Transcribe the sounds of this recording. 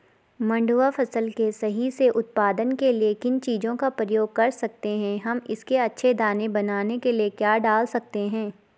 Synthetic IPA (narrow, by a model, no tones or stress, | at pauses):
mɐ̃ɳɖuːafʰɐsəlkesɐɦiseʔʊt̪̚paːd̪ənkeliekɪnt͡ʃiːzõkapɾəjoːɡ̚kɐɾsɐk̚t̪eɦɛ̃ɦɐmɪskeɐtːʃʰed̪aːnebɐnaːnekeliekjaːɖaːlsɐk̚t̪eɦɛ̃ː